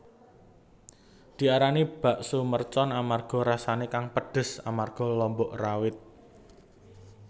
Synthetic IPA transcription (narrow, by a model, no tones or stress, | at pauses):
d̪̥i̤aɾanib̥a̤ʔsumərt͡ʃɔnamarɡ̥ɔ̤ɾasanekaŋpəɖ̥ə̤sa̰marɡ̥ɔ̤lɔmbɔʔrawɪt̪̚